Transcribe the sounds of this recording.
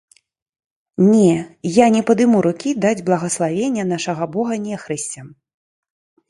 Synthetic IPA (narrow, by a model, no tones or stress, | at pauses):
nʲɛjanʲɛpɐd̪ɨmuɾukʲid̪ad͡zʲblˠɐɣɐslˠavʲenʲːɐn̪aʂɐɣɐbɔɣɐnʲɛxɾɨsʲt͡sʲɛm